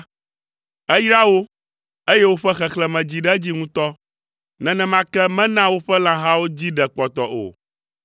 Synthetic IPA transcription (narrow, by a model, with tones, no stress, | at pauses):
ɛ˦jɾa˦wo˦ | e˦jɛ˦wo˦ɸɛ˦xɛ˨xlɛ˨mɛ̃˨d͡ʑi˨ɖɛ˦d͡ʑi˦ŋũ˦t̪ɔ˦ | nɛ̃˨nɛ̃˨mã˦kɛ˦mɛ̃˦nã˦wo˦ɸɛ˦lã˦ɦã˦wo˦d͡ʑi˦ɖɛ˨k͡pɔ˨t̪ɔ˨ʔo̰˨